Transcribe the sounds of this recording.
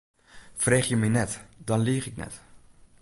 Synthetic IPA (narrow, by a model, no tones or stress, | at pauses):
freːχjəmɛjnɛtdɑnliəχɪknɛ̰t